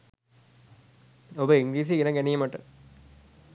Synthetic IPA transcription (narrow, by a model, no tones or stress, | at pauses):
obəiŋɡliːs̬iɡenəɡænijməʈə